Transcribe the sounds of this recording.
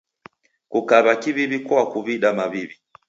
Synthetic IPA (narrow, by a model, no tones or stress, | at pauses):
kukaβakiβiβikwakuβiɗamaβiβi